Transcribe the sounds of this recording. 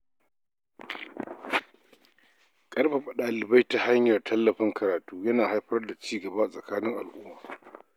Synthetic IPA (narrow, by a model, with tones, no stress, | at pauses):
kʼɐ˦rɸe˨ɸɐ˨ɗaː˨lɪ˨ba˦jta˨ha˦ɲjɐ˨rtʰɐ˦lːɐ˨ɸɪ˦ŋkɐ˨ɾaː˨tuː˦jɐ˦naː˨ha˦jɸɐ˦rda˨t͡ʃiː˦ɡɐ˨ba˦a˨sʼɐ˨kaː˦nɪ˦ŋʔa̰˨lʔʊ˦mːaː˨